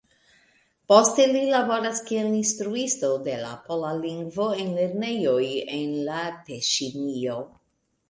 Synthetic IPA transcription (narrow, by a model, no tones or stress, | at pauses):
postelilabo̞ɾaskielinstɾuistodela̰polaliŋɡvo̞enle̞ɾne̞jojenlateʃinio